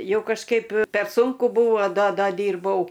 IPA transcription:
ˈjɛʊ kɐʃˈkɐɪp pʲɛr ˈsuːŋkʊ ˈbuːʋoː doː ˈdɐ ˈdʲiːrbɐʊ

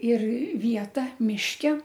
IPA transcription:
ɪr ˈʋʲiɛtɐ mʲɪʃʲˈkʲɛ

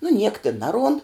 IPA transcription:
nʊ nʲiɛk tʲɪn ˈnɑːˌruɔnt

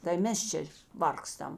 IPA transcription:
tɐɪ ˈmʲɛs t͡ʃʲɛ ˈʋɐrkstɐm

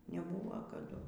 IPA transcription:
nʲɛˈbuːʋɐ kɐˈdʊ

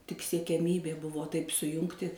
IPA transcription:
tʲɪk sʲiɛkʲɛˈmʲiːbʲeː ˈbʊʋoː tɐɪp sʊˈjʊŋktʲɪ

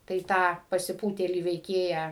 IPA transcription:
tɐɪ ˈtɑː pɐsʲɪˈpuːtʲeːlʲiː ʋʲɛɪˈkʲeːjæː

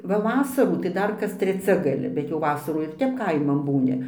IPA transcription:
ʋɐ ˈʋɑːsɐruː tɐɪ ˈdɐr kɐs tʲrʲɛˈt͡sʲɛ ɡɐˈlʲɪ bʲɛt jɛʊ ˈʋɑːsɐruː ɪr ˈtʲɛp ˈkɐɪmɐn ˈbuːnʲɪ

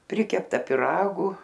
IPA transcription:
ˈpʲrʲɪkʲɛptɐ pʲɪˈrɑːɡʊ

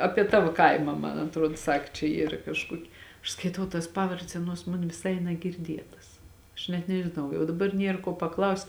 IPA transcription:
ˈɑːpʲiɛ ˈtɑːʋoː ˈkɐɪmɐ ˈmɐn ɐtˈruɔt ˈsɐk t͡ʃʲɛ ˈiːr kɐʃˈkuɔkʲɪ ɐʃ skɐɪˈtɐʊ tɐs ˈpɑːʋɐrʲdʲɛs ˈɑːˌnuɔs ˈmoːn ʋʲɪˈsɐɪ nɐɡʲɪrʲˈdʲiɛtɐs ɐʃ nʲɛt nʲɛʒʲɪˈnɐʊ jɛʊ dɐˈbɐr ˈnʲiɛr kuɔ pɐˈklˠɐʊsʲtʲ

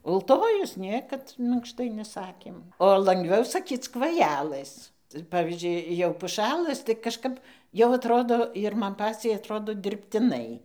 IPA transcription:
ʊlˠˈtoːjʊs ˈnʲiɛkɐt mʲɪŋkˈʃtɐɪ nʲɛˈsɑːkʲeːm oː lˠɐŋɡˈʋʲɛʊ sɐˈkʲiːt͡s kʋɐˈjæːlˠɘs ˈpɑːʋʲiːzʲd͡ʒʲʊɪ ˈjɛʊ pʊˈʃʲælˠɘs tɐɪ kɐʃˈkɐp jɛʊ ɐtˈroːdoː ɪr ˈmɐn ˈpɑːt͡sʲɛɪ ɐtˈroːdoː dʲɪrʲpʲtʲɪˈnɐɪ

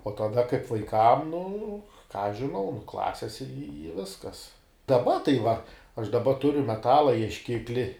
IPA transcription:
oː tɐˈdɐ kɐɪp ʋɐɪˈkɐm nʊ kɑː ɐʃ ʒʲɪˈnɐʊ nʊ ˈklˠɑːsʲɪs ɪ ˈʋʲɪskɐs dɐˈbɐ tɐɪ ʋɐ ɐʃ dɐˈbɐ ˈtʊrʲʊ mʲɛˈtɑːlˠɐ iɛʃʲˈkʲɪklʲɪ

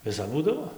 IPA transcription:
ʋʲɪˈsɐp ˈbuːdɐʋoː

